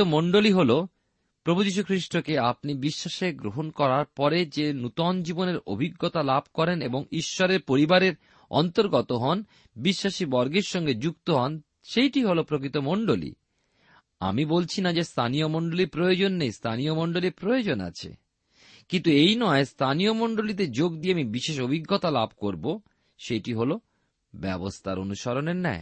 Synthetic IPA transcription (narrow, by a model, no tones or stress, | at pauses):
omoɳɖoliɦolo | pɾobʱud͡ʑiʃ̬ukʰɾiʃʈokeap̚nibiʃːaʃeɡɾoɦonkɔɾaɾpɔɾed͡ʑenut̪ɔnd͡ʑiboneɾo̰bʱiɡːot̪alabʱkɔɾeneboŋiʃːɔɾeɾpoɾibaɾeɾ | ɔ̰nt̪oɾɡɔt̪oɦɔn | biʃːaʃibɔɾɡeɾʃɔŋɡed͡ʑuk̚t̪oɦɔn | ʃejʈiɦolopɾokɾit̪omoɳɖolḭ | a̰mibolt͡ɕʰinad͡ʑest̪ʰanijomoɳɖoliɾpɾojod͡ʑonːejst̪ʰaniomoɳɖoliɾpɾojod͡ʑona̰t͡ɕʰḛ | kint̪uejnɔest̪ʰanijomoɳɖolit̪̬ed͡ʑoɡd̪ieamibiʃeʃobʱiɡːot̪alab̚ʱkoɾbo | ʃejʈiɦolo | bɛbost̪ʰaɾo̰nuʃɔɾoneɾnɛe